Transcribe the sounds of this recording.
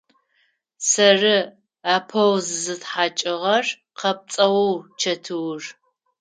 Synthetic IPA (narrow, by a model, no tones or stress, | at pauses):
sɐrɨ | aːpʰɐwzɨzɨtħaːt͡ʃʼɪʁɐr | qɐp̚t͡sʼɐwɨwt͡ʃʰɐtʰɨwr